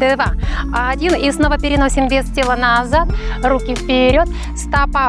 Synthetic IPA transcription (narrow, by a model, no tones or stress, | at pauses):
d̪ɨvaɐadʲinisno̞vəpʲɪɾʲɪnosʲɪmvʲestʲelˠənɐzat̪ɾukʲɪfpʲɪɾʲo̞t̪ | st̪apa